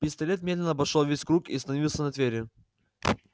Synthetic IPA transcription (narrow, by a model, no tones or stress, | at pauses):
pʲɪst̪ɐlʲet̪mʲed̪lʲɪnəɐbɐʂolˠvʲesʲkɾukist̪ənɐvʲilˠsʲənɐt̪vʲeɾʲɪ